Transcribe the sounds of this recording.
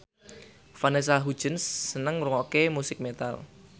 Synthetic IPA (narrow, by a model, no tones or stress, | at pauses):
fanes̬aɦud̥ʒ̥ə̤nsːənəŋɾuŋɔkemusɪk̚met̪a̰l